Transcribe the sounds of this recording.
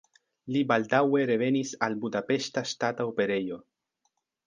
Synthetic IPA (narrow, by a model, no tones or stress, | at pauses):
libald̪awe̞ɾe̞ve̞nisalbudape̞sʃtastataope̞ɾe̞jo̞